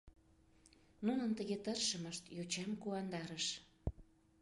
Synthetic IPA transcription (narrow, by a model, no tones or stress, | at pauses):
nunənt̪əɣet̪ərʃə̆məʃt̪jot͡ɕɑmkuɑnd̪ɑɾəʃ